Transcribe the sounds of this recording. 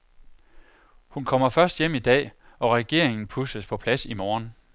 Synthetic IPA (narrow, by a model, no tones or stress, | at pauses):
hunkʰɒ̽m̰ɐfɶɐsd̥jem̰id̥ɛ̰ː | ɒ̽ʁɛɡ̥e̝ɐ̰e̝ŋn̩pʰusəspʰɒ̽pʰlæsimɒːn